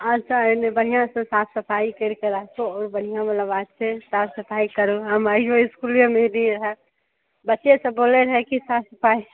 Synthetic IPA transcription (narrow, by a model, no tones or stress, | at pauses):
ətːʃʰanebəɽ̤ijãsẽsaːt̪ʰsəpʰaːikeɾkeɾaːkʰoɔːɾbəɽ̤ijãmələbaːsesaːt̪ʰsəpʰaːikəɾoɦɐmad͡ʒoɪskuljomeniɾəɦɛ | bətːʃesẽboːleɾɐɦɛkisaːt̪səpʰaːi